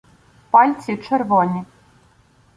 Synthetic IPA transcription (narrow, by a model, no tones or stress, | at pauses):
palʲt͡sʲit͡ʂɛrvɔnʲi